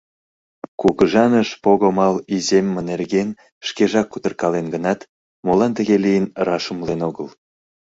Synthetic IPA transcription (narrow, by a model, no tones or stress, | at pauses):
kuɣəʒɑnəʃpoɣomɑlizemːə̆nerɣen | ʃkeʒɑkːut̪ərkɑlenɡənɑt̪ | molɑnt̪ə̆ɣelijənrɑʃəmlenoɣəl